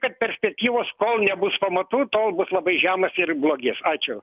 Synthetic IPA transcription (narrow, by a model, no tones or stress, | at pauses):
kɐt̪̚pʲɛɾʲsʲpʲɛk̚t̪ʲiːʋoːskoːlˠnʲɛbʊspɐmɐt̪uːt̪oːlˠbʊslˠɐbɐɪʒʲæːmɐsɪrblˠoːɡʲesɑːt͡ʃʲʊ